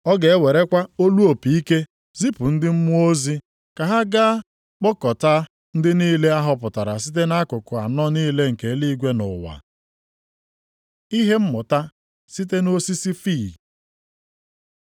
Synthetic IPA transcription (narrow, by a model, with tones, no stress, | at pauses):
ɔ˦ɡe˨e˦we˨ɾe˦kʷa˦o˦lu˦o˨pi˨i˦ke˦ | zi˦pʊ˨n̩˦dɪ˦m̩˦mʊ˦o˦zi˦ | ka˨ɦa˦ɡa˦ | k͡pɔ˦kɔ˨ta˦ | n̩˦dɪ˦niː˦le˦a˦ɦʊ˨pʊ˨ta˨ɾa̰˨s̬i˦t̬e˦na˦kʊ˨kʊ˨a̰˨nɔ˦niː˦le˦ŋ̩˨ke˨˦li˦ɡʷe˦nʊ̰˨wa̰˨ | i˦ɦe˦m̩˦mʊ˨ta˦ | si˦t̬e˦no˦si˦si˦fiː˦˨